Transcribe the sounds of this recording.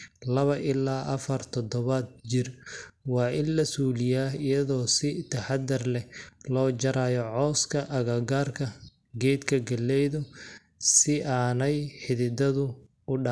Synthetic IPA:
lɐβɐʔɪlaːʔɐfɐrt̪ʰɔd̪ɔβɐd̪̚t͡ʃɪrwɑːʔɪnlɐsuːlɪjaːɦɪjɐðɔːsɪt̪ʰɐħɑd̪ɐrlɛlɔːd͡ʒɐɾaːjɔʕɔːskʰɐʔɐɣɐɡaːrkʰɐ | ɡɛːd̪kʰɐɡɐlːɛjðʊ | sɪaːnɛjħɪðɪd̪ɐðʊ | ʊɖɑ

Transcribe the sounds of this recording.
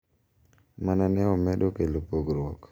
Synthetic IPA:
mananɛɔmɛdokelopoɡɾwɔk

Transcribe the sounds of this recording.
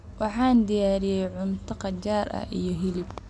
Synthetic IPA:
wɑħɑːnd̪ɪjaːɾɪjɛjʕʊmt̪ʰɐqɑt͡ʃaːɾʔɐ̰hijɞɦɪlɪb

